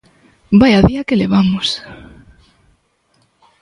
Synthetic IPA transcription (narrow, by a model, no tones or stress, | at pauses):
bajaðiakeleβ̞amʊs